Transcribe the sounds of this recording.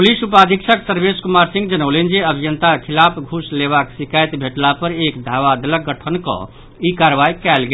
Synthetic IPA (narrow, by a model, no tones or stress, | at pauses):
pulisupad̪ʱikʃʰəksəɾbeskumaɾsĩŋɡd͡ʒənəlend͡ʒeəbʱijənt̪akʰilapʰɡʱusleβaksikajt̪bʱeʈlapəɾekd̪ʱaʋad̪ələɡːəʈʰənkɔ̰̃ | ikaɾʋaikɛlɡe